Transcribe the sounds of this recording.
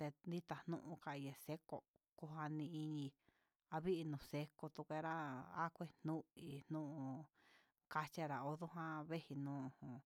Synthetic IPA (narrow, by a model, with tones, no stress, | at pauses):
t̪e˧nd̪i˦t̪a˨nũ˦ʔũ˧ka˧˨i˧je˨se˦ko̰˧ | ku˧a˧nĩ˧i˧ɲĩ˧ | a˧βi˦ʔi˧nũ˨se˧ko˧t̪u˧kʷe˧ɾa˦a̰˦kʷe˦n̥ũ˦i˧n̥ũ˦ʔũ˧ | ka˧t͡ʃa˧ɾa˨o˧ðu˦ɦã˦βe˦hi˧nũː˦ũ˧˨hũ˨